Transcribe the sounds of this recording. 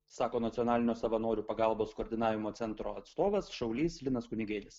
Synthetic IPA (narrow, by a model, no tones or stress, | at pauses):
sɑːkoːnɐt̪sʲiɔnɑːlʲɪnʲoːsɐʋɐnoːɾʲuːpɐɡɑˑlˠboːskoːɾʲd̪ʲɪnɑːʋʲɪmoːt̪ʲɛnt̪ɾoːɐt̪st̪oːʋɐsʃɐʊlʲiːslʲɪnɐskʊnʲɪɡʲeːɾʲɪs